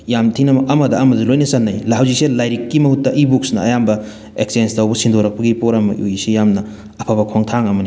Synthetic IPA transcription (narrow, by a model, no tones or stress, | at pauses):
jamtʰinɐmɐkɐmɐdɐːmɐdɐlojnɐsɐnːɐjlhawzik̚selajɾikːimɐhutːɐʔibuk̚snɐɐjambɐ | eksenstɐwbɐsindoɾɐk̚pɐɡipoɾɐmɐ̰ʔujsijamnɐ | ɐpʰabɐkʰoŋtʰaŋɐmɐni